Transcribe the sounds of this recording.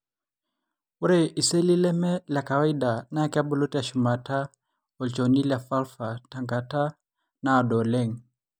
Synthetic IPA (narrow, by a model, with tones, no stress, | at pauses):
u˦ɾe˦ʔi˨se˦li˦lɛ˦mɛ˦la˨kawai˦da˨na˦kia˦bɔ˦lo˦ta˨ʃu˨ma˨ta | ɔ˨lt͡ʃo˨ni˦lja˨fa˦lfa˨ta˨ŋɡata˦ | naː˨dɔ˨lɛ˦ŋ